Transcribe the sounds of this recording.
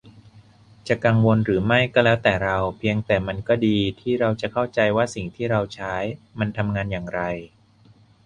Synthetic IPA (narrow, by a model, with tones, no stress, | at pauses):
t͡ɕa˨˩ka˧ŋwo˧nɾɯː˩˦ma˥˩jkɔː˥˩lɛː˦˥wt̪ɛː˨˩ɾa˧wpʰi˧əŋt̪ɛː˨˩ma˧nkɔː˥˩diː˧t̪ʰiː˥˩ɾa˧wt͡ɕa˨˩kʰa˥˩wt͡ɕa˧jwaː˥˩si˨˩ŋt̪ʰiː˥˩ɾa˧wt͡ɕʰaː˦˥jma˧nt̪ʰa˧mŋaː˧njaː˨˩ŋɾa˧j